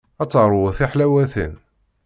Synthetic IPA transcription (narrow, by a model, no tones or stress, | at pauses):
æt͡sːəɾˤwæθiħlæwæθə̰n